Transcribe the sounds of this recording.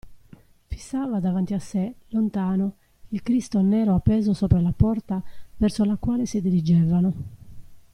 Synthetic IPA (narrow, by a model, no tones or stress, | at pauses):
fi̥sːaːvad̪avant̪iasːelont̪aːno | ilkɾist̪onɛːɾoapːɛːzosɔːpɾalapɔrt̪avɛrsolakwaːlesid̪iɾid͡ʒɛːvano